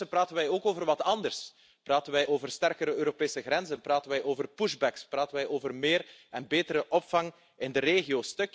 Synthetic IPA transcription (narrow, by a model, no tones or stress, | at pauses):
əpraːtənʋɛjoːkoːvərʋɑtɑndərs | praːtənʋɛjʔoːvərstɛrkəɾəøːɾopeːsəɣɾɛnzənpraːtənʋɛjʔoːvərpuʒbɛkspraːtənʋɛjʔoːvərmeːrɛnbeːtəɾəʔɔpfɑŋ | ɪndəɾeːɣioːstɵk